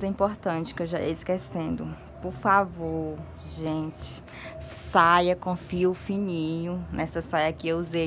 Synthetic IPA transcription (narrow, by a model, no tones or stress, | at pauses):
zɐĩmpoɾt̪ɐ̃t͡ʃɪ̥kɪewʒaḛiskesẽnd̪ʊ | poɾfavo | ʒẽt͡ʃɪ̥ | sajɐkõfiʊfĩnĩɲʊnʔɛsɐsajɐkɪewuzej